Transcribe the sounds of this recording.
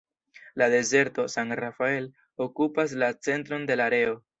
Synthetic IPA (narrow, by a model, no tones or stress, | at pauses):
lade̞ze̞ɾto̞santrafae̞l | okupas̬lat͡se̞ntɾo̞nde̞laɾe̞o̞